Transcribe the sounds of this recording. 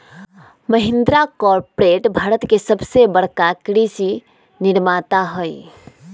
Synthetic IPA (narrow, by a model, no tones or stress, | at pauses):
məɦɪ̃nd̪ɾakɔɾpɾeːʈbʱaːɾət̪kesəbsebəɽ̤kakɾisi | nɪɾmat̪aɦoj